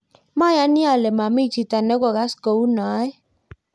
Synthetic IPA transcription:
ma˦˨ja˦ni˦a˨lɛ˨ma˨mi˦˨t͡ʃi˨ta˨nɛ˦ɡɔ˨ɣa˨˦sko˨u˦na˨˦ɛ˦

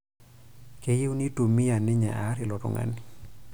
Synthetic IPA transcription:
ke˨je˦wni˦to˨mi˦ja˨nɪ˦ɲa̰˨ʔa˨˦ɾɪ˨lɔ˨tɔ̰˨ŋa̰˨ni˨

